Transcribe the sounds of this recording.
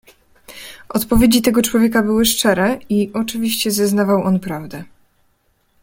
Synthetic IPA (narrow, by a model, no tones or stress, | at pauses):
ʔɔt̪pɔvʲjed͡ʑit̪ɛɡɔt͡ʂwɔvʲjekabɘwɘʂt͡ʂɛɾɛiʔɔt͡ʂɘvʲiɕt͡ɕɛzɛznavawʔɔnpɾavd̪ɛ